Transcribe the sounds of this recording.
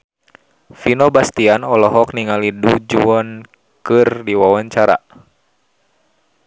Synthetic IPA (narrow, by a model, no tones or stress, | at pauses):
finɔbast̪ianɔlɔɦɔk̚niŋalidud͡ʒuɔn | kɨrdiwawaɲt͡ʃaɾa̰